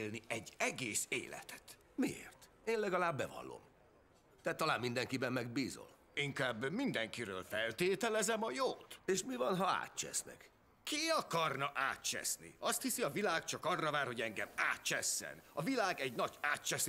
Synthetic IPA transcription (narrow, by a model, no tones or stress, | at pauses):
lniɛɟːɛɡeːsḛːlɛ̰t̪ʰɛ̥t̪ | miḛːrt̪ | eːnlɛɡɒlaːbːɛvɒ̰lːo̰m | t̪ɛːt̪ːɒlaːmmind̪ɛŋkibɛmːɛɡbiːzo̰l | iŋkaːbːmind̪ɛŋkiɾøːlfɛlt̪eːt̪ɛlɛzɛmɒjoːt̪eːʃmivɒnɦɒa̰ːt̪t͡ʃɛ̰snɛ̰k | kiɒkɒrnɒʔaːt̪t͡ʃɛ̰snḭɒst̪hisiɒvilaːk̚t͡ʃɒkɒrːɒvaːrho̞ɟɛŋɡɛmaːt̪t͡ʃɛsːɛ̰nɒvilaːɡɛɟnɒɟaːt̪t͡ʃɛs